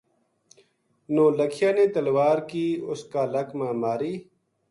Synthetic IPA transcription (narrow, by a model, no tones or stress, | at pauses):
nõːləkʰijaːneːt̪ɐlwaːɾkiːʊskaːlɐkmãːmaːɾiː